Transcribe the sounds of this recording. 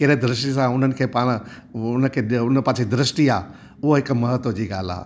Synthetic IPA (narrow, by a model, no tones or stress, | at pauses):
keɾed̪ɾɪsʈis̬ãʊn̤ənɪ̆kʰeːpaːɽ̃ | ʊnəkʰeːʊnəpãːt͡ɕʰed̪ɾɪsʈiaː | ʊɦoɦɪkmɐɦət̪od͡ʑiːɡa̰ːl̤a̰ː